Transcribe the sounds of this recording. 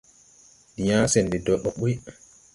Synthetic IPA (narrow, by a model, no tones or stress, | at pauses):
dijaːsɛndɛdɔɗːɔɓuj